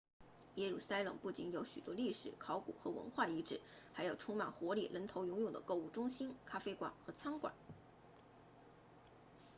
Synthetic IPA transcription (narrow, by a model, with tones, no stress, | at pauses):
jɛ˥ɻu˨˩sa˥ɪlɤ̰˨˩ŋpu˥˩t͡ɕi˧˥njo˧˥ʊɕy̰˨˩t̪wɔ˥li˥˩ʂɻ̩˨˩˦kʰɑ˧˥ʊkṵ˨˩xɤ̰˧˥wə̰˧˥nxwa˥˩i˧˥ʈ͡ʂɻ̩˥˩˦ | xa˧˥ɪjo˨˩ʊʈ͡ʂʰʊ˥ŋma˨˩nxwɔ˧˥lḭ˨˩lʔə˧˥nt̪ʰo˧˥ʊjʊ˧˥ŋjʊ˨˩ŋd̪ə̰˦ko˥˧ʊu˥˩ʈ͡ʂʊ˥ŋɕi˥nkʰa˥fe˥ɪkwa̰˨˩nxɤ˧˥t͡sʰɑ˥ŋkwa̰˨˩˦n